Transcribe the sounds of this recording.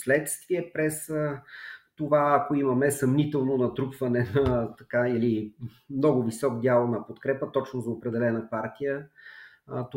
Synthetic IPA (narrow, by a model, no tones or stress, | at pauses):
slɛt̪st̪viɛpɾɛsət̪ovaːkoimɐmɛsɐmnit̪ɛlˠnonɐt̪ɾupvɐnɛnɐt̪ɐkaili | mnɔɡʊvisɔkd̪ʲjalˠnɐpot̪kɾɛpət̪ɔt͡ʃnozɐopɾɛd̪ɛlɛnəpaɾt̪ijə | t̪